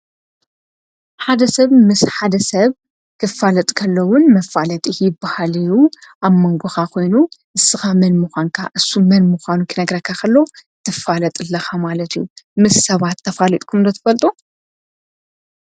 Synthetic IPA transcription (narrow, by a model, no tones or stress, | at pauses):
ħad̪ɐsɐβmɨsħad̪ɐsɐβ | kʰɨfalɐt̪ʼkʰɐlːɐwʊnmɐfalɐt̪ʼijɪbːahalɨjuʔaβmoŋɡʷoxakʰo̞jnuʔɨsːɨxamɐnmuxʷankʰa̰ʔɨsːumɐnmuxʷanukʰɨnɐɡɾɐkʰːakʰɐlːo̞t̪ʰːɨfalɐt̪ʼɨlːɐxamalɐt̪ijumɨsːɐβat̪ʰːɐfalit̪ʼkʰumd̪ɐt̪ʰɨ̥fɐlt̪ʼu